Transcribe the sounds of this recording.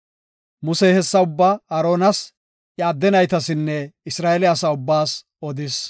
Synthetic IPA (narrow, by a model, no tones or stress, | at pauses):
mʊseːhɛsːɐʊbːɐɐɾo̞ːnɐs | ʔjaːd̪ːɛnɐjt̪ɐsɪnːɛɪsɾaːʔɛlɪɐsaʊbːaːs | ɔd̪ɪs